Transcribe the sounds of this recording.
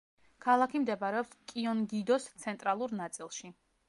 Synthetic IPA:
kʰalˠakʰimd̪ɛbaɾɛɔpskʼiɔnɡid̪ɔst̪sʰɛnt̪ʼɾalˠuɾnat̪sʼilˠʃi

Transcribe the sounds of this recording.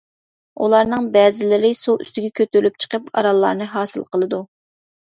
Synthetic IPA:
ṵlˠɑɾnɨŋbɛːzɪlɪɾɪsoʔy̰st̪ɪɡʲɛkʲʰøt̪yɾlyp̚t͡ʃʰə̥qəpɑ̰ɾɑlˠːɑ̰ɾnɨɦɑːsɨlˠqəlˠɨd̪u

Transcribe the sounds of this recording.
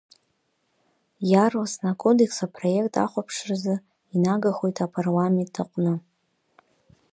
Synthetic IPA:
jarlasnakʰo̞de̞ksapʰro̞je̞kʼtʰa̰χʷapʰʂrzɨ | inaɡaχo̞jtʰapʰarlame̞ntʰːaqʷʼnɨ

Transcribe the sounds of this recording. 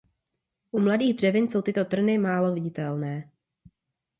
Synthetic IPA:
ʔumladiːɣd̪r̝ɛvɪnso̞wt̪ɪt̪o̞t̪r̩nɪmaːlovɪɟɪt̪ɛlnɛː

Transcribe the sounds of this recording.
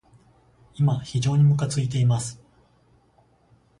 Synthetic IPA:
imaçiʑo̞ːɲ̟imɯ̟k̬at͡sɨit̪e̞imasɨ̥

